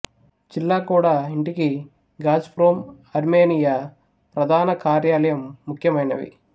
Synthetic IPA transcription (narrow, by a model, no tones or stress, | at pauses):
d͡ʒilːaːkuːɽaːiɳʈiki | ɡaːd͡ʒpɾoːm | ɐɾmeːnija | pɾɐd̪ʱaːnɐkaːɾjaːlɐjɐmːukʰjɐmɐjnɐ̰ʋḭ